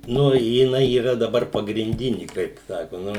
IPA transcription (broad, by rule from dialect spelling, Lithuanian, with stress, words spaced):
ˈnʊ jɪˈnɐɪ iːˈrɐ dɐˈbɐr pɐɡrʲɪnʲˈdʲɪnʲɪ kɐɪp ˈsɑːkoː ˈnʊ